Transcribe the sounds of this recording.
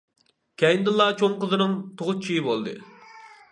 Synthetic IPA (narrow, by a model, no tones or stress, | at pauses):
kʲʰɛjind̪ɨlˠːɑt͡ʃʰoŋqəzɨnɨŋt̪ʰoʁʊt͡ʃʰijbolˠd̪ɨ̰